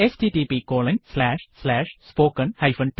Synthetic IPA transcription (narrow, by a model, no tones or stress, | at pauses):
esʈiːʈiːpiːkoːlɪ̃ŋslæːʃslæːʃspoːkə̃nhɐɪfɐ̃nʈ